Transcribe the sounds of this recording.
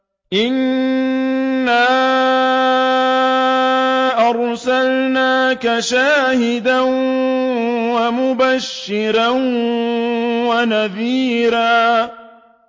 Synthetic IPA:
ʔɪn | aː | ʔɑɾˤsalnaːkaʃaːhɪd̪an | wamʊbaʃːɪɾan | wanaðiːɾaː

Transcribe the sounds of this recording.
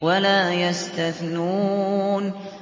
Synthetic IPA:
alaːjast̪aθnuːn

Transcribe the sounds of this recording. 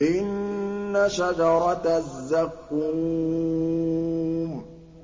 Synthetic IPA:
ʔɪnːaʃad͡ʒɑɾˤɑt̪zːakːu | m

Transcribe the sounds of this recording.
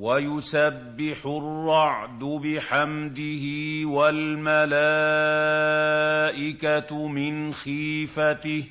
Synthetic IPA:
wajʊsabːɪħʊrːɑʕd̪ʊbɪħamd̪ɪhɪwalmala | ʔɪkamɪnxiːfat̪ɪh

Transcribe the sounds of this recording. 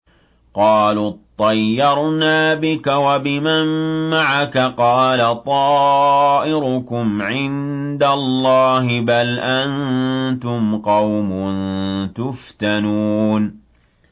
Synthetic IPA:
qɑːlut̪ˤːɑjːɑɾˤnaːbɪkawabɪmamːaʕakaqɑːlat̪ˤɑːʔɪɾʊkʊmʕɪnd̪alˤːɑːɦɪbalʔant̪ʊmqɑwmʊnt̪ʊft̪anuːn

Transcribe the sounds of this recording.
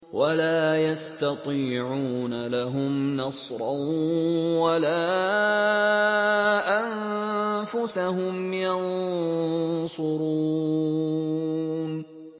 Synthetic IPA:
walaːjast̪ɑt̪ˤiːʕuːnalaɦʊmnɑsˤɾˤɑ | wala | ʔan | fʊsahʊmjɑn | sˤʊɾuː | n

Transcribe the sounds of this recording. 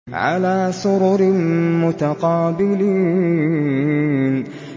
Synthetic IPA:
ʕa̰laːsʊɾʊɾɪmʊt̪aqɑːbɪliː | n

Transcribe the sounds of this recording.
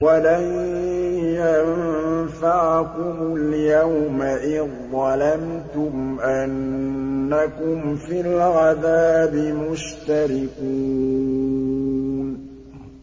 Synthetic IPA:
walam | janfaʕkʊmʊljawmaʔɪðˤːɑlamt̪ʊmʔanː | akʊmfilɣaðaːbɪmʊʃt̪aɾɪkuː | n

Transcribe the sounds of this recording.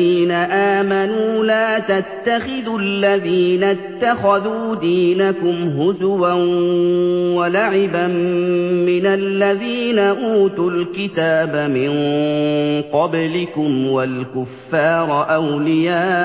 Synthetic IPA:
iːnaʔaːmanuːlaːt̪at̪ːaxɪðʊlːaðiːnat̪ːaxaðuːd̪iːnakʊmɦʊzʊwan | walaʕɪbamː | ɪnalːaðiːnaʔuːt̪ʊlkɪt̪aːbamɪn | qɑblɪkʊmwalkʊfːɑːɾˤʔawlɪjaː

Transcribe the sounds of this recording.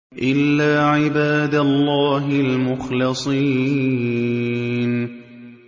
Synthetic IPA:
ʔɪlːaːʕɪbaːd̪alːɑːɦɪlmʊxlɨsˤiː | n

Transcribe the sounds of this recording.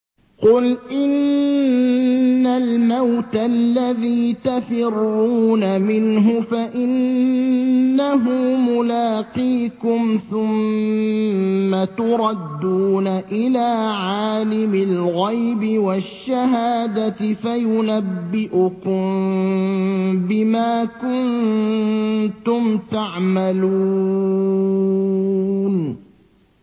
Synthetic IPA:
qʊlʔɪn | almawt̪alːaðiːt̪afɪrːuːnamɪnɦʊfaʔɪn | aɦʊmmʊlaːqiːkʊmθʊm | at̪ʊɾˤɑd̪ːuːnaʔɪlaːʕaːlɪmɪlɣajbɪwaʃːaɦaːd̪at̪ɪfajʊnabːɪʔʊkʊm | bɪmaːkʊn | t̪ʊmt̪aʕmalu | n

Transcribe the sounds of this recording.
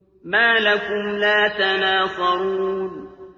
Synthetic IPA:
maːlakʊmlaːt̪anaːsˤɑɾuːn

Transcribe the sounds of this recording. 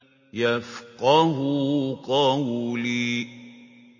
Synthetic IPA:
jɛfkɔŋɦukɔŋwuli

